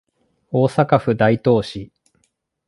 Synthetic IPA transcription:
oːsakaɸɯ̟d̪ait̪o̞ːɕi

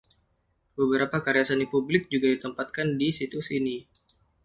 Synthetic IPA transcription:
bəbəɾapakaɾiasanipublɪk̚d͡ʒuɡadit̪əmpat̪̚kandisit̪usini

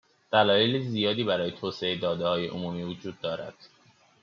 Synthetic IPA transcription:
d̪̥ælɒːjelizijɒːd̪iːbæɾɒːjet̪ʰoːseed̪ɒːd̪ehɒːje̞̰ʔomumiːvod͡ʒuːd̪ːɒːɾæ̰d̪̥

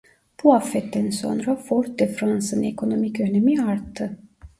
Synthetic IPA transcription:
b̥uafːɛt̪ːænso̞̰nɾafoɾt̪d̪ɛfɾansɯnekʰo̞no̞micønemiaɾt̪ʰːɯ

